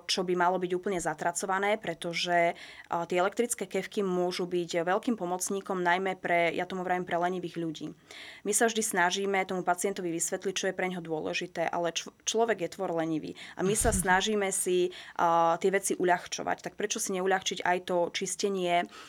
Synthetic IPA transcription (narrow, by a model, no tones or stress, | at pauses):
t͡ʃɔbimalɔbiɟuːpl̩ɲɛzat̪ɾat͡sɔʋanɛːpɾɛt̪ɔʒɛt̪ɪɛɛlɛkt̪ɾit͡skɛːkɛfkimʊɔʒubiɟʋɛʎkiːmpɔmɔt͡sɲiːkɔmnajmɛpɾɛjat̪ɔmuʋɾajimpɾɛlɛɲiʋiːɣʎuɟḭːmisavʒd̪isnaʒiːmɛt̪ɔmupat͡siɛnt̪ɔʋiʋisʋɛt̪lic̚t͡ʃɔjɛpɾɛɲɦɔd̪ʊɔlɛ̰ʒit̪ɛːʔa̰lɛt͡ʃt͡ʃlɔʋɛɡjɛt̪ʋɔɾlɛɲiʋḭːa̰misasnaʒiːmɛsi | t̪ɪɛʋɛt͡siʔuʎaxt͡ʃɔ̰ʋa̰ct̪ak̚pɾɛt͡ʃɔsiɲɛuʎaxt͡ʃiɟa̰jt̪ɔt͡ʃiscɛɲɪɛ